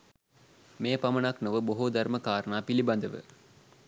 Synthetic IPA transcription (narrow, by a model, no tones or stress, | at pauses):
meːpɐmɐnaknoʋəboɦud̪ʱɐɾməkaːɾənaːpilibɐnd̪əʋɨ̰